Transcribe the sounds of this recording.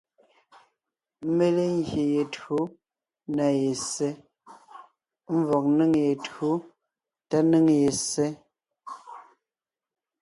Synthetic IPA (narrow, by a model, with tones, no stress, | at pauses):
me˦le˦ŋɡje˨je˨tu˦ | na˨je˨se˦ | m̩˦vɔ˨k̚nɨ˦ŋje˨txu˦ | ta˦nɨ˦ŋje˨se˦